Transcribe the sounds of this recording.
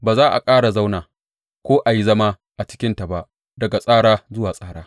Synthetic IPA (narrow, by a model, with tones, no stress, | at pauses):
baː˨zaː˦ʔa̰˨kʼaː˦ɽa˨za˦wnaː˨ | kʷoː˦ʔa˨ji˦zɐ˦ma˦ | ʔa˨t͡ʃɪ̥˦kʲɪ˦nta˨ba˦ʔ | dɐ˨ɡa˨sʼaː˦ɽaː˦zʊ˦waː˨sʼaː˦ɽaː˦